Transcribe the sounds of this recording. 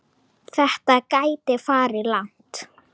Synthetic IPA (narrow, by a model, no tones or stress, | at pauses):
θɛht̪akaːjt̪ɪfaːɾɪlan̥t̪